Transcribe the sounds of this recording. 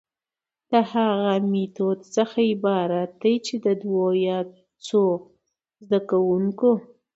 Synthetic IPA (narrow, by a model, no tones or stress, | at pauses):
d̪̥əhaɣamit̪od̪səxaɪbɑɾat̪̚d̪ajt͡ʃed̪əd̪wojɑ | t͡so | zd̪akawuŋko